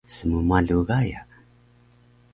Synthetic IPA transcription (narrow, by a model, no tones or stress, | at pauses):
səmumaɮuɣaja̰